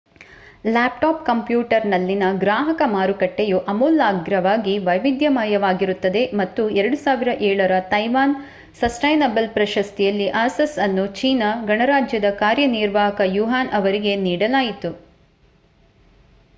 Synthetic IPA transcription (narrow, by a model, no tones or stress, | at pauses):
laːp̚ʈaːp̚kɐmpjuːʈɐɾnɐlːinɐɡɾaːɦɐkɐmaːɾukɐʈːejuʔɐmuːlːaːɡɾɐʋaːɡiʋɐjʋid̪jɐmɐjɐʋaːɡiɾut̪ːɐd̪e̞mɐt̪ːuɛɾɐɽusaːʋiɾɐʔɛːɭɐɾɐt̪ɐjʋaːn | sɐsʈɐjnɐbɐlpɾɐʃɐst̪ijɐlːiʔɐsɐsɐnːut͡ʃiːnɐɡɐɳɐɾaːd͡ʒjɐd̪ɐkaːɾjɐniɾʋaːɦɐkɐjuɦaːnʔɐʋɐɾiɡe̞niːɽɐlaːjit̪u